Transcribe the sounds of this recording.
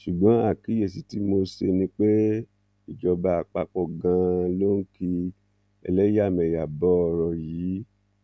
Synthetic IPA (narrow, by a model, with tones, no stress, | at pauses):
ʃu˨ɡ͡bɔ̃˨˦a˦˨ki˨˦je˦˨s̬i˨˦ti˦mo˧se˧nĩ˧˦k͡pe˦ | i˨d͡ʒɔ˧ba˧a˨k͡pa˧k͡pɔ˧˨ɡã˧lo˦ŋ̩˦ki˧ | ɛ̰˧lɛ˦a˦˨mɛ̃˨ja˨bɔ˨˦˧ɾɔ˧jiː˨˦